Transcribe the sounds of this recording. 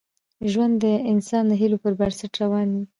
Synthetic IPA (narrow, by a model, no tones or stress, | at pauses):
ʒwand̪ːəɪnsɑnd̪əɦilopəɾbaɾsaʈɾawɑni